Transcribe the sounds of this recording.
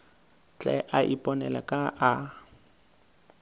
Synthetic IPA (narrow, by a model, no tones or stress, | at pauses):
t͡ɬʼɛʔaʔipʼɔnɛla̰kʼaʔa